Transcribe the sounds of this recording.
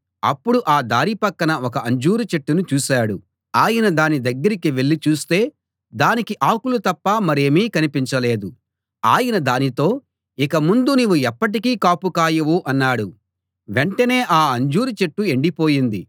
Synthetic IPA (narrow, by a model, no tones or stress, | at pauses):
ɐpːuɽuʔaːd̪aːɾipɐkːɐnɐɔkɐʔɐɲd͡ʒuːɾut͡ʃe̞ʈːunut͡ʃuːsaːɽu | aːjɐnɐd̪aːnid̪ɐɡːɐɾikiʋe̞ɭːit͡ʃuːst̪e̞ː | d̪aːnikiʔaːkulut̪ɐpːɐmɐɾe̞ːmiːkɐnipiɲt͡ʃɐle̞ːd̪u | aːjɐnɐd̪aːnit̪o̞ː | ikɐmund̪uniːʋːuɛpːɐʈ̬ikiːkaːpukaːjɐʋuʔɐnːaːɽu | ʋeɳʈɐne̞ːʔaːɐɲd͡ʒuːɾut͡ʃe̞ʈːue̞ɳɖipo̞ːjind̪i